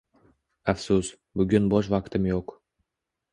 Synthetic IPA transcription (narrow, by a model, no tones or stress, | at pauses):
afsʊs | bʊɡʲʊnbɒʃ̬vaqt̪ʰɪmjoq